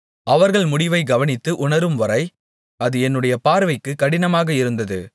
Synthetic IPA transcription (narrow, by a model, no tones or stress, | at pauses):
ʔɐʋɐɾɣɐɭmʊɽɪʋɐɪɡɐʋɐnɪt̪ːɯʔʊnɐɾɯmʋɐɾɐɪ | ɐðɯɛnːɯɽɐjɐpaːɾʋɐɪkːɯkːɐɽɪnɐmaːɣɐɪɾɯnd̪ɐðɯ̰